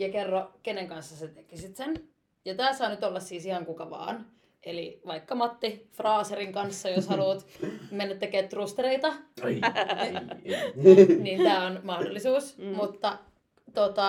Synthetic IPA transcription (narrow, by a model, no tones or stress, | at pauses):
jɑkerːɑkeneŋkɑnsːɑset̪ekisit̪sen | jɑt̪æːsɑːnyt̪olːɑssiːsihɑŋkukɑʋɑ̰ːn | eliʋɑikːɑmɑt̪ːifrɑːseriŋkɑnsːɑjoshɑluːt̪menːæt̪ːekeːt̪t̪rust̪ereit̪ɑ | nint̪æːonmɑhdo̰lːisuːsmut̪ːɑ | t̪ot̪ɑ